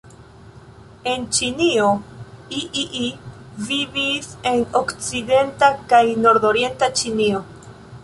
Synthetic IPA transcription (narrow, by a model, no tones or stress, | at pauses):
e̞nt͡ʃinio̞iʔiʔi | vivise̞nokt͡side̞ntakajno̞ɾd̪o̞ɾje̞ntat͡ʃinio̞